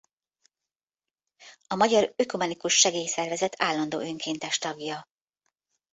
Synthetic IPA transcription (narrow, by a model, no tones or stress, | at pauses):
ɒmɒɟɒɾøkumɛnikuʃːɛɡeːjsɛrvɛzɛt̪ʰaːlːɒnd̪o̰ːøŋkʰeːnt̪ɛʃt̪ɒɡjɒ